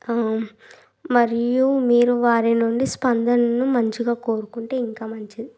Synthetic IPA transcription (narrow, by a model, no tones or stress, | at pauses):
mɐɾijumiːɾuʋaːɾinuɳɖispɐnd̪ɐnɐnumɐɲt͡ʃiɡaːkoːɾukuɳʈe̞ːiŋkaːmɐɲt͡ʃid̪i